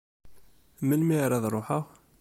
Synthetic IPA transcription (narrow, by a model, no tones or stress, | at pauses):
məlmiɾɑðˤɾˤoħəʁ